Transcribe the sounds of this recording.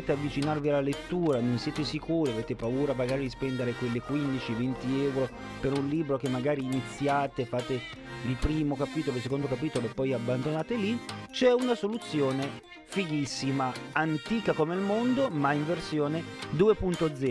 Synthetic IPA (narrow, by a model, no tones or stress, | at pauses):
eːt̪eavːit͡ʃinarvialːalet̪ːuːɾanonsjɛːt̪esikuːɾiaveːt̪epauːɾamaɡaːɾid̪ispɛnd̪eɾekwelːekwind̪it͡ʃivent̪iɛwɾo | peɾunliːbɾok̟emːaɡaːɾiːnit̪sːjaːt̪efaːt̪e | ilpɾiːmokapiːt̪oloesekond̪okapiːt̪oloepːɔjabːand̪onaːt̪elit͡ʃɛunasolut̪sːjoːne | fiʎisːimaant̪iːkakomeilmond̪omaiɱversjoːned̪uːepunt̪od̪zɛː